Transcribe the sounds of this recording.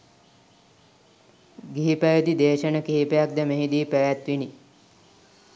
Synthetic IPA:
ɡiɦipəjəd̪id̪eːʃənəkiɦipejak̚d̪əmeɦid̪iːpæʋæt̪ʋini

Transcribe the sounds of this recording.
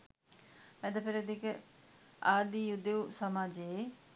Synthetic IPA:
mɛd̪ɐpɪɾed̪ik | aːd̪ijud̪eusɐmaːd͡ʒeː

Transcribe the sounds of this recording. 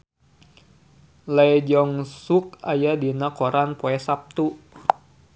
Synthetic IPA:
lad͡ʒɔŋsuk̚ajadinakoɾanpoɛsap̚t̪u

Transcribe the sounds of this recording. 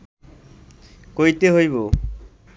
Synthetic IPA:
kojt̪eɦojβo

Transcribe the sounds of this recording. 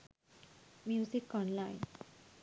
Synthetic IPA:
mjusikɔ̃nlajn

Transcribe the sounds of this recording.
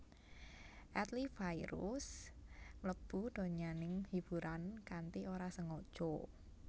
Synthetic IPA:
ʔɛt̪lifajɾṵs | mlək̚b̥ud̪̥o̤ɲanɪŋhib̥uɾankant̪ioɾasəŋod̥ʒ̥ɔ

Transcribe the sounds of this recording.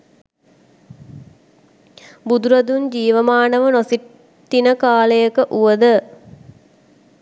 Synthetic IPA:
bud̪uɾɐd̪und͡ʑiːʋəmaːnɐʋənosi | t̪ːinəkaːlejəkəʔuʋəd̪ə

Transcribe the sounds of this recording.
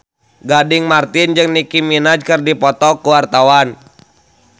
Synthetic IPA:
ɡadɪŋmart̪ind͡ʒɨŋnikiminad͡ʒkɨrdipɔt̪ɔkuwart̪awan

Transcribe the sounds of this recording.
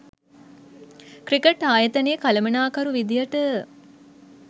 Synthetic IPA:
kɾikeʈaːjət̪əneːkaləmənaːkɐɾuʋid̪ijəʈə

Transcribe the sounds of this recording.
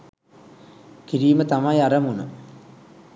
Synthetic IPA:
kiɾiːmɐt̪ɐmajɐrɐmunu

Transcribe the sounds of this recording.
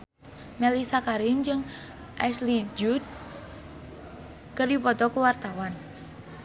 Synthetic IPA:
mɛlisakaɾɪmd͡ʒɨŋ | ʔɛslid͡ʒut̪̚ | kərdipɔt̪ɔkuwart̪awan

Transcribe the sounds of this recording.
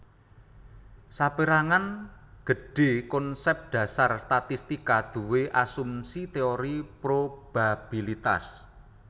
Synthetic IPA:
sapeɾaŋanɡ̥ə̤ɖ̥e̤kɔnsɛp̚d̪̥ä̤sarst̪at̪ist̪ikad̪̥ṳweʔasumsit̪eoɾipɾob̥ab̥ilit̪a̰s

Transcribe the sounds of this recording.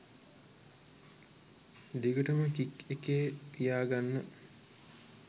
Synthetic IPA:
d̪iɡəʈəməkikekeːt̪ijaːɡanːə

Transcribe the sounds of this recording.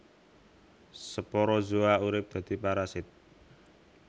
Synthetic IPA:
səpɔɾɔzoauɾɪp̚d̪̥ä̤d̪̥i̤paɾasɪt̪̚

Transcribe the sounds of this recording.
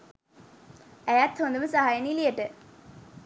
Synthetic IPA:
ejat̪hond̪uəməsaɦajənilijəʈɨ

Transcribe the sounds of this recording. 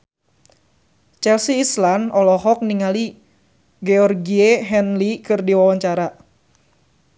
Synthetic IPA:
t͡ʃɛlsiːslanɔlɔɦɔk̚niŋali | ɡɛɔrɡieɦɛnlikɨrdiwawaɲt͡ʃaɾa

